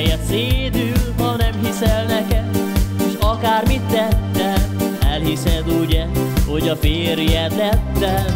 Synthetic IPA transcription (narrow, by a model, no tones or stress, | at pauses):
jɛt̪seːd̪ylɦɒnɛmɦisɛlnɛkɛd̪eʃɒkaːrmit̪ːɛt̪ːɛɛlhisɛd̪uɟɛho̞ɟɒfeːɾijɛt̪ːɛt̪ːɛ